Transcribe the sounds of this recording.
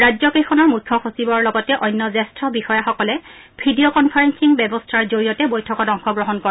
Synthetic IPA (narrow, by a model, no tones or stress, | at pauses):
ɹazɔkexʰɔnɔɹmukʰːɔxosibɔɹlɔɡɔtɛʔɔjnːɔzɛstɹɔbixɔjaxɔkɔlɛ | pʰidiokɔnpʰaɹensiŋbɛbɔstʰaɹzoɹijɔtɛbojtʰɔkɔtɔŋxɔɡɹɔɦɔnkɔɹa